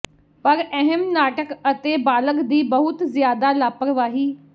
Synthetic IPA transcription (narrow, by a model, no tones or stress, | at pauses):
pəɾɛɦɛmnaːʈəkət̪eːbaːləkd̪iːbəɦʊt̪zɪjaːd̪aːlaːpəɾʋaːɦiː